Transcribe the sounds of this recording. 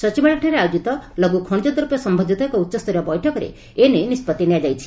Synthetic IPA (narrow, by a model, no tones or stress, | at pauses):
sʌt͡ʃibaɭaʈʰaɾeajod͡ʒit̪ɔlɔɡukʰɔɳd͡ʒɔd̪ɔɾupjɔsɔmbʱɔd̪ʱit̪ɔekɔutːɔst̪ɔɾɔbɔjʈʰɔkɔɾḛ | enenispɔt̪ːinijad͡ʒajt͡ʃʰi̥